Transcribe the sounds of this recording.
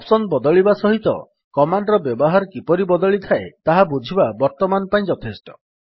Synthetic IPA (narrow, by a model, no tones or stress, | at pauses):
apsɔnbɔd̪ɔɭibasɔɦit̪ɔ̰ | kɔmaɳɖɾɔbjɔbɔɦaɾɔkipɔɾibɔd̪ɔɭit̪ʰaḛt̪aɦabud͡ʒʱibabɔɾt̪ɔmanɔpaĩd͡ʒɔt̪ʰesʈɔ̥